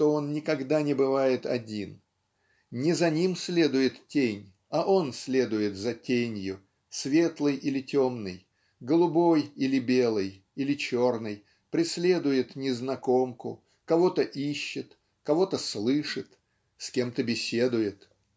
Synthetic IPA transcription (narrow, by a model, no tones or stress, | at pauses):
ʂt̪o̞onnʲɪkɐɡd̪anʲɪbɨvajɪt̪ɐ̰dʲin | nʲɪzɐnʲimsʲlʲe̞d̪ʊjɪt̪tʲenʲ | ɐʔo̞nsʲlʲe̞d̪ʊjɪt̪zɐtʲenʲjʊ | svʲe̞t̪lˠɨjʔilʲɪtʲo̞mnɨj | ɡəlˠʊbo̞jilʲɪbʲe̞lˠɨj | ilʲɪt͡ɕo̞rnɨj | pɾʲɪsʲlʲe̞d̪ʊjɪt̪nʲɪznɐko̞mkʊ̰ | kɐvo̞t̪əʔiɕːɪt̪ | kɐvo̞t̪əslˠɨʂɨt̪ | skʲe̞mt̪əbʲɪsʲe̞d̪ʊjɪt̪